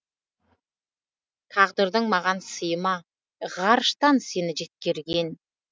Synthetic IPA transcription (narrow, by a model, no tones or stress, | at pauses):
k̪ʰɑʁd̪əɾd̪əɴmɑʁɑnsəjəmɑ | ʁɑɾʃt̪ɑnse̞nɪʒe̞t̪̚kʲe̞ɾɡʲe̞n